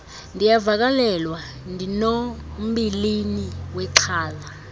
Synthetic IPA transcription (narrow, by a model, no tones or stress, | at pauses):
ndʱijavak̬alɛlwa | ndʱinom̩ɓiliniwɛǀʰaːla